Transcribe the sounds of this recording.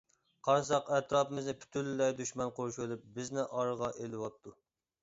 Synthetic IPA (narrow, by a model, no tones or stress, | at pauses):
qʰɑɾsɑqɛt̪ɾɑːpɨmɪznɪpʰy̥t̪ʰylːlɛjd̪yʃmɑnqʰoɾʃølˠup̚bɪznɪʔɑɾʁɑʔelɪwɑt̪ːu